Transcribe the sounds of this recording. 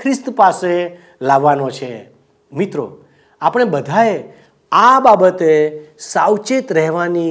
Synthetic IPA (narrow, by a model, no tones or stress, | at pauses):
kʰɾɪst̪pase | laʋːanot͡ʃʰe | mit̪ɾo̰ | apəɳ̃ebəd̪ʱaje | ababət̪esawt͡ʃet̪ɾɛɦʋani